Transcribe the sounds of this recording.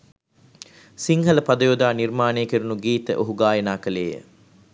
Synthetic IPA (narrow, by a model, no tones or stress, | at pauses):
siŋɦɐləpad̪ɐjoːd̪aːnirmaːneːkiɾunuɡiːt̪əʔoɦuɡaːjɐnaːkɐlḛːjə̰